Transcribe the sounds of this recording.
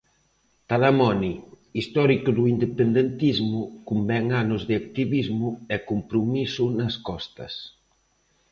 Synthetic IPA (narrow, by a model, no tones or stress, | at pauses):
t̪alamɔni | ist̪ɔɾikuðuind̪epend̪ent̪izmukumbɛŋanozðeak̚t̪iβizmuɛkumpɾumisunɐskɔst̪ɐ̰s